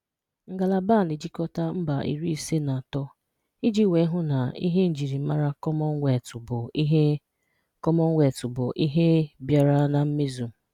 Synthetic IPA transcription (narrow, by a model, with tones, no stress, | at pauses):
ŋ̩˨ɡa˨la˨ba˦˨ni˨d͡ʒi˦kɔ˦ta˦m̩˦ba˨ʔḭ˨ɾi˦i˨se˦na˨tɔ˦ | i˦d͡ʒi˦˨we˨˦ɦʊ˦na˨ḭ˦ɦe˦n̩˨d͡ʒi˨ɾi˨˦ma˦ɾa˦kɔ˦mɔ˦ŋʷ˦e˨tʊ˨bʊ˨˦ɦ | kɔ˦mɔ˦ŋ̩ʷ˦e˨tʊ˨bʊ˨ʔi˦ɦe˦bja˨ɾa˦na˨m̩˦me˦zu˨